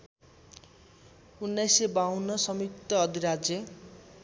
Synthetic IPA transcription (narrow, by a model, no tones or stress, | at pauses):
unːajsebaunːʌsʌmik̚t̪ʌːd̪ʱiɾad͡zjʌ